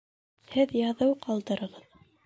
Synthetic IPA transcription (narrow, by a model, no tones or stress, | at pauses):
hɘðjɑðɤwqɑlˠd̪ɤ̆ɾɤ̆ʁɤð